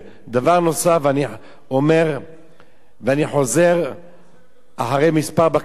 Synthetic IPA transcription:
d̪avaʁno̞savani | ome̞ʁ | veaniħo̞ze̞ʁ | ʔaħaʁejmispaʁba

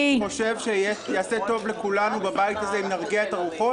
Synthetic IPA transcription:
χoʃe̞vʃejejaːse̞to̞vle̞kulanubabajit̪azeimnaʁɡeaet̪aʁuχo

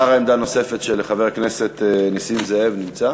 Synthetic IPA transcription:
aʁaemd̪ano̞se̞fet̪ʃeleχaveʁknese̞t̪nisimzeevnimt͡sa

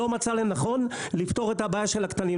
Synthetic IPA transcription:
o̞mat͡salenaχo̞nlift̪o̞ʁet̪habajaʃelakt̪ani

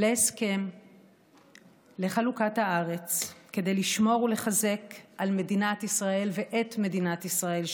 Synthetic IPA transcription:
leːske̞m | le̞χalukathaaʁe̞t͡ske̞d̪e̞jliʃmo̞ʁule̞χaze̞kʔalme̞dinatisʁae̞lveʔetme̞dinatisʁae̞l

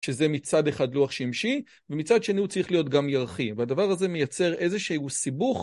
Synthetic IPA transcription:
ʃezemit͡sadeχadluaχʃimʃi | vemit͡sadʃe̞niut͡sʁiχlijo̞tɡamjaʁχiveadavaʁaze̞me̞jat͡se̞ʁʔe̞zeʃeusibuχ

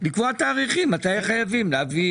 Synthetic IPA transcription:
likvoat̪aːʁiχimːat̪ajaχajavimleavi

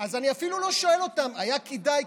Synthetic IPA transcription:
azaniafilulo̞ʃoe̞lo̞t̪amajakid̪aj

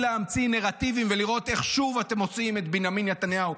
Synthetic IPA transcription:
leamt͡sineʁat̪ivimveliʁo̞t̪e̞χʃuvat̪e̞mo̞t͡simet̪binjaminjat̪anjau

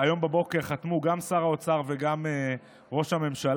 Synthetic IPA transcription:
ajo̞mbabo̞keʁχat̪muɡamsaʁao̞t͡saʁve̞ɡame | ʁo̞ʃhame̞mʃal

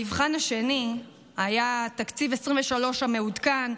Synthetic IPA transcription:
ivχanaʃe̞ni | ajat̪akt͡sivesʁimveʃalo̞ʃame̞udkan

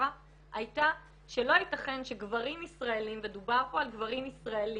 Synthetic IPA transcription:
a | ʔajta | ʃelo̞itaχe̞nʃeɡvaʁimisʁaelimved̪ubaʁpoalɡvaʁimisʁaeli

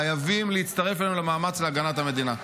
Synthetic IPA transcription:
ajavimleit̪t͡st̪ɐʁe̞falenulemaːmat͡sleaɡanat̪hame̞d̪ina

